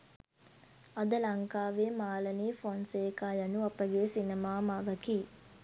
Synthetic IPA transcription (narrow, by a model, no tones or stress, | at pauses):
ɐd̪əlɐŋkaːʋeːmaːlɐniːfonseːkaːjɐnuɐpəɡeːsinemaːmaʋɐkiː